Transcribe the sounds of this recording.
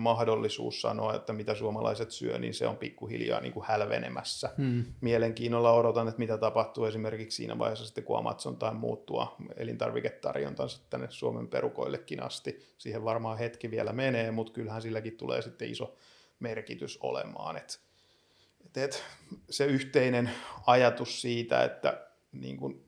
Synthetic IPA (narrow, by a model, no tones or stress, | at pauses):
mɑhdolːisṵːssɑ̰noɑḛt̪ːæmit̪æsuomɑlʔɑ̰iset̪syø̰nḭːnsḛompikːuhiljɑ̰ːnḭŋkuhælʋḛnḛmæsːæmieleŋkiːnːolːɑodot̪ɑnːet̪mit̪æt̪ɑpɑht̪uːesimerkikssḭːnʔæ̰ʋɑ̰ihesːɑsi̥t̪ːekuɑ̰mɑt̪sont̪ɑimmuːt̪t̪uɑ̰elint̪ɑrʋiket̪t̪ɑrjont̪ɑnsɑ̥t̪t̪ænːessuomemperukoilːekːinɑ̰st̪isiːheʋʋɑrmɑːhet̪kiʋiælæmeneːmut̪kylhænsilːækit̪t̪ulḛːsit̪ːeiso | merkit̪yso̰lḛmɑ̰ːnet̪ | et̪et̪seyht̪einenɑjɑt̪ussiːt̪æ̰ḛt̪ːæ | nḭːŋkun